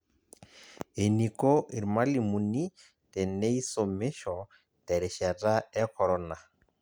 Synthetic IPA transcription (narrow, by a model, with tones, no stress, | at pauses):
e˨ni˨ko˦i˨ɾi˨ma˦li˨mu˨ni˦ | tɛ˨ne˦i˦so˨me˦ʃɔ˨ | tɛ˨ɾe˨ʃɛ˨tʼa˦ɛ˦kʰɔ˨ɾɔ˦na˨